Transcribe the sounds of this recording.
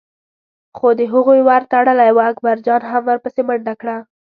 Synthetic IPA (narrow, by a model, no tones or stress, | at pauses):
xod̪əɦuɣujwaɾt̪aɽəlajwaakbaɾd͡ʒɑnɦamwəɾpəseməɳd̪akɽa